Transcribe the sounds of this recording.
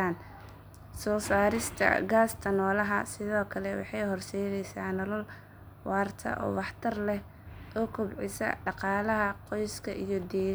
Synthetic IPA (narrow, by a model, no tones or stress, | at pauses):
aːn | sɔːsaːɾɪst̪ʰɐ̰ɡaːst̪ʰɐnɔːlɐɦɐsɪðɔːkʰɐlɛwɑ̰ħɑjɦɔrsɛjðɛjsaːnɔlɐl | wɑːrt̪ʰɐ̰ʔɔ̰ːwɑħt̪ʰɐrlɛh | ʔɔːkʰʊbʕɪsɐ̰ɖɑqɑːlɐɦɐqɔjskʰɐʔijɔd̪ɛː